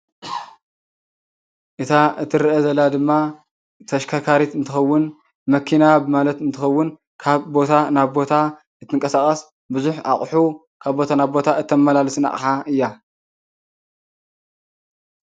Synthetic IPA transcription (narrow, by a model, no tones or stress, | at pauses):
ʔɨt̪ʰaɨt̪ʰɨɾɨʔɐzɐlad̪ɨmːa | t̪ʰɐʃkʰakʰaɾit̪ɨnt̪ʰɨxɐwːʊn | mɐkʰinabɨmalɐt̪ɨnt̪ʰɨxɐwːʊn | kʰaβbo̞t̪ʰanaβbo̞t̪ʰa | ɨt̪ʰːɨŋkʼɐsakʼɐs | bɨzuħa̰χʼħu | kʰaβbo̞t̪ʰanaβbo̞t̪ʰaʔɨt̪ʰːɐmmːɐlalsɨna̰ʔʼħaʔɨjːa